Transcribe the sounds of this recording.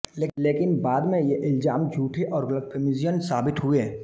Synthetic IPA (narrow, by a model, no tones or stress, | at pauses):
leːkɪnbaːd̪mẽjeʔɪlzaːmd͡ʒʱuːʈʰeʔɔːɾɡʊlək̚pʰemɪzijənsaːbɪt̪ɦʊe